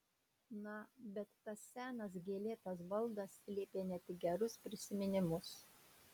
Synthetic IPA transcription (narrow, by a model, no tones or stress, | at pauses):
nɐbʲɛt̪ːɐsːʲæːnɐs̬ɡʲeːlʲeːt̪ɐs̬ʋɐlˠd̪ɐslʲeːpʲeːnʲɛt̪ʲɪɡʲɛɾʊspʲɾʲɪsʲɪmʲɪnʲɪmʊs